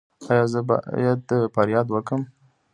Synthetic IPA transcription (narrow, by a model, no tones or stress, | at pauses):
ɑjɑzəbɑ̰jad̪̚d̪əfaɾjɑd̪wəkəm